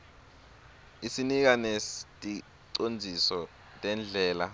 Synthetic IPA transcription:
isinik̬anestʼi | ǀond͡zʱisɔ | tʼɛnd͡ɮʱɛːla

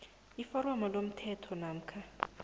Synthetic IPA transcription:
ifɔɾɔmalom̩tʰɛtʰɔnaːm̩kʰa

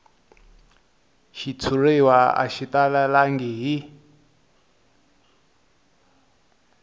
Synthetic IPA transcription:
ʃit͡sʰurewaa̰ʃit̪alalaŋɡiɦi

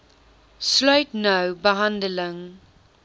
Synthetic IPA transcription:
sloɪtnoʊbəɦãndəlɪ̃ŋ

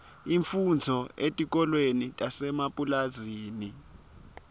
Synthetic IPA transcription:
iɱfund͡zʱɔetʼik̬ʼɔlwenitʼasɛmapʼulaziːni

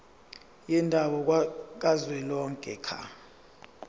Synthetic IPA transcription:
jɛndʱaɓɔk̬k̬ʼazwɛlɔŋkʼɛ̰kʰa̰

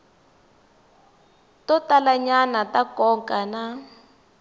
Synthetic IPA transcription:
tɔtalaɲanatakɔŋkana

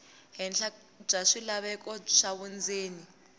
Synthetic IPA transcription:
ɦɛnɬḁ | b͡ʐaʂilaβɛkʼɔʂaβund͡zeːni

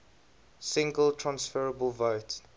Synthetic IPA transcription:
sɪ̃ŋɡəltʰɹ̥ãnsfəɹəbəlˠvoʊt

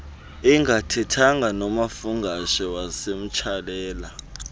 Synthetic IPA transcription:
iŋʱatʰɛtʰaŋʱanɔmafuŋɡʱaʃɛwasem̩t͡ʃʰalɛːla

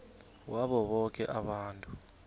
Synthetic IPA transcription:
waɓɔɓɔkʼɛʔaɓaːntʼu

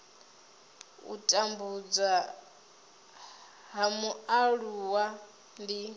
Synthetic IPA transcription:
ṵtʼambud͡za | ɦamuaɺuwa | ndi

